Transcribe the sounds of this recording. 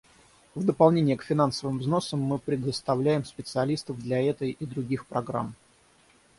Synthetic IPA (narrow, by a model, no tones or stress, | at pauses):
vd̪əpɐlˠnʲenʲɪjəkfʲɪnansəvɨmvzno̞səmːɨpɾʲɪd̪əst̪ɐvlʲæjɪmspʲɪt̪sɨɐlʲist̪əvd̪lʲɐɛt̪əjid̪ɾʊɡʲixpɾɐɡɾa̰m